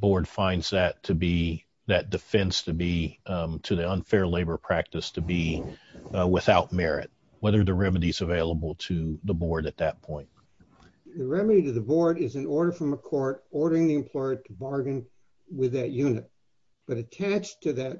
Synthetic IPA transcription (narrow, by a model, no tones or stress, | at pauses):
b̥ɔɹd̥fãɪ̃ndz̥ðɨtʰɨbi | ðɨt̚d̥ɨfɛ̃nstʰɨbitʰɨðiʌ̃nfɛɹleɪbə˞pʰɹ̥æk̚tɨstʰɨbi | wɪθaʊt̚mɛɹɪ̰t̚ | wɛðə˞ðɨɹɛmɨɾizɨveɪlˠəbl̩ˠtʰɨðəbɔɹɾɨt̪̚ðɨt̚pʰɔ̃ɪ̃nt̚ | ðɨɹɛmɨɾiɾɨðɨbɔɹɾɪzɨ̃nɔɹɾə˞fɹʌ̃məkʰɔɹɾɔɹɾə˞ɪ̃ŋðiɨ̃mpʰl̥ɔɪə˞tʰəbɑɹɡɨ̃n | wɪðɨt̚jʉnɨt̚ | b̥ʌɾɨtʰæt͡ʃtʰɨðɨt̚